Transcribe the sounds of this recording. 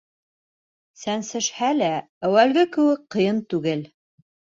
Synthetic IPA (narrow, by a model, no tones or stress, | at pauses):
sænsɘ̆ʃhælæ | æwælɡɘkɘ̆wɘk̚qɤ̆jɤnt̪ʉɡɘl